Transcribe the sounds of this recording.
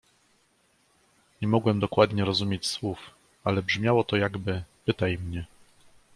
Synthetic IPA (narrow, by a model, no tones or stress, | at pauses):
ɲɛmɔɡwɛmd̪ɔkwad̪ɲɛɾɔzumʲjet͡ɕswuf | alɛbʐmʲjawɔt̪ɔjaɡbɘpɘt̪ajmɲɛ